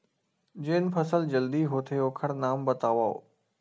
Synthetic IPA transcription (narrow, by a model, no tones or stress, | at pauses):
d͡ʑeːn̆pʰɐsəld͡ʑɐld̪iɦoːt̪ʰeoːkʰɐɽ̃naːmbɐt̪aːʋaːo̰ː